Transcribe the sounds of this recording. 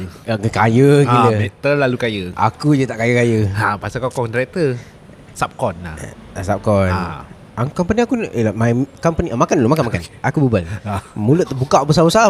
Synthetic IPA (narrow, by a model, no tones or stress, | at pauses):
akəkajəiləmɛt̪əlːalukajəʔa̰kud͡ʒət̪aʔkajəkajəapasakɔkɔkdɾɛt̪ə | sap̚kɔna | asap̚kɔn | akɔmpaniakunʔəlamajkɔmpaniʔəmakanlomakanmakanakubəbalnmulət̪əbukaʔbəsawəsa